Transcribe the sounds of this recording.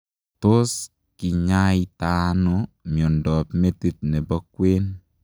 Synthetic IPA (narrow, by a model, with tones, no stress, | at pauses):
to˦s | kɪ˨ɲa˦ita˨no˨mjɔ˨ndɔ˨pme˦ti˦t̚ne˨bɔ˦kwe˦n